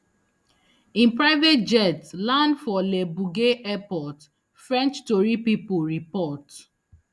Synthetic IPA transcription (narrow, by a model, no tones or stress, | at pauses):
ĩnpɹaɪvet̚d͡ʒɛtlãndfɔlebuɡeʔɛpɔt | fɹɛ̃nt͡ʃtoɹipipuɹipɔt